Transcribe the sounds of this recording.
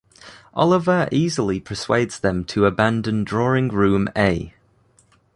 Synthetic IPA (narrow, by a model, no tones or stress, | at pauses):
ʔɒ̰lɪvəʔiːzəlipʰəswḛɪdz̥ðə̃mtʰəəbãndə̃ndɹɔːɹɪ̃ŋɹʉ̃ːmeɪ